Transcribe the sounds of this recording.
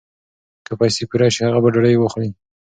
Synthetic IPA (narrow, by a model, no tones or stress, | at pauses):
kəpɑjsepiɾɑʃihaɣabaɖaɽajwaxɽi